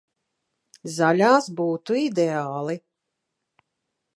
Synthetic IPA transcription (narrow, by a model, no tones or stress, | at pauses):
zalʲaːsbuːt̪uid̪eaːlˠi